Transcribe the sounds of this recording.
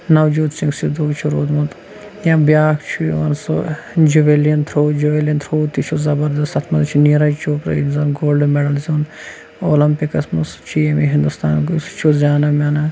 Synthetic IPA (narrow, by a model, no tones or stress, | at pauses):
nɐwd͡ʒuːt̪t͡ʃiŋksid̪uːt͡ʃʰuɾoːd̪mut̪ | jãbjaːkt͡ʃʰuiʋɐnso̰d͡ʒuʋelijɐnt̪ʰɾoːd͡ʒuʋeljɐnt̪ʰɾoːt̪ːit͡ʃʰuzɐbɐɾd̪ɐst̪ɐt̪ʰmɐd̪t͡ʃʰiniɾɐjt͡ʃoːkɾɐ̰inzɐnɡoːlɖmeɖɐlzuːn | oːlɐmpikɐsmust͡ʃʰijemiɦĩnd̪ust̪aːnkust͡ʃʰuzʲaːnɐmʲɐnɐ